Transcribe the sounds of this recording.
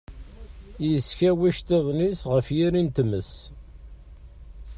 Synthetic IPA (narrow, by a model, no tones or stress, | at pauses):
jəsçæwiʃt̪eðˤnisʁəfjiɾint̪əməs